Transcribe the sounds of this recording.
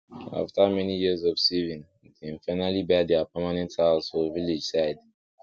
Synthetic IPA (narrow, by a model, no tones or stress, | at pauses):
a̰ftamɛnijizɔfsivĩn | kʰɛ̃nfaɪnalibɛdɛapamanɛ̃ntalzfɔviled͡ʒsaɪd